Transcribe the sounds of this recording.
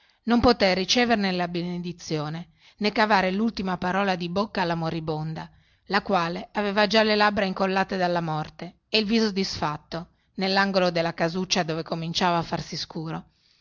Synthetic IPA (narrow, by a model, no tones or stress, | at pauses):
nompot̪erːit͡ʃeːveɾnelabened̪it̪sːjoːne | nekːavaːɾelult̪imapaɾɔːlad̪ibokːaːlːamoɾibond̪a | lakwaːleaveːvad͡ʒalelabːɾaiŋkolːaːt̪ed̪alːamɔrt̪eːilviːzod̪isfat̪ːo | nelːaŋɡolod̪elːakazut͡ʃːad̪oːvekomint͡ʃaːvaːfːarsiskuːɾo